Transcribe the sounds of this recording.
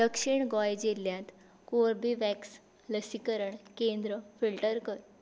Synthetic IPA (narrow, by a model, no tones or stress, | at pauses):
d̪əkʂiɳɡɔjd͡ʑeljãt̪ | koɾbiʋæks | ləsikəɾəɳkẽnd̪ɾəfilʈəɾkəɾ